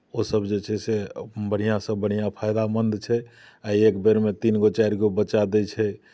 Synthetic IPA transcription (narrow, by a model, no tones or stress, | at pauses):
osəbd͡ʒet͡ʃʰɛsebəɽ̤ijãsə̃bəɽ̤ijãpʰajd̪amənd̪t͡ʃʰɛ | aiekbeɾmet̪inɡot͡ʃaiɾɡobət͡ʃad̪ɛt͡ʃʰɛ